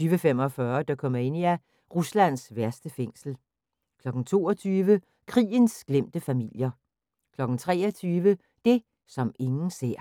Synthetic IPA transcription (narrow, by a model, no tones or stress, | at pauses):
yːʋəfem̰ɒ̽fɶːɐd̥ɑ̈kʰɒ̽mɐe̝n̰iæ | ʁuslæn̰sʋæɐsd̥əfeŋ̰sl̩ | kʰlɒ̽ɡ̥n̩t͡sʰo̝ːɒt͡sʰyːʋə | kʰʁḭːənsɡ̥lem̰d̥əfæmil̰jɐ | kʰlɒ̽ɡ̥n̩t͡sʰʁɛ̰ːɒt͡sʰyːʋə | d̥e̝ | sɒ̽me̝ŋn̩se̝ɐ̰